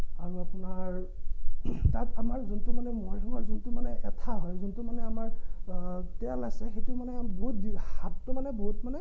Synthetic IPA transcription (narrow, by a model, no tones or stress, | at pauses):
aɹuapunaɹ | tatamaɹzuntumanɛmɔjdʰʱɔmaɹzuntumanɛʔɛtʰaɦɔjzuntumanɛamaɹ | tɛalajsɛxetumanɛboɦut̚dilhatːʊmanɛboɦutmanɛ